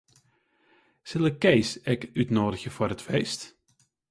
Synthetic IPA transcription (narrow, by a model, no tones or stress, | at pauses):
sɪlˠəkejsɛkytnoːdəɣəvʊːɾətfejst